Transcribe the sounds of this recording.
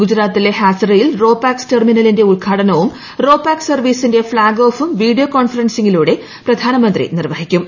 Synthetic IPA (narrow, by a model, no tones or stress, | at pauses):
ɡud͡ʑɾaːt̪ːile̞haːsɐrɐjilro̞ːpːaːksterminɐlinde̞uɭɡʰʱaːʈɐnɐʋum | ro̞ːpːaːksɐrʋiːsinde̞fɭaːɡoːfumʋiːɽijokoːɳfɐrɐnsiŋiluːɽe̞ | prɐd̪ʱaːnɐmɐnd̪rḭnirʋɐɦikʲːum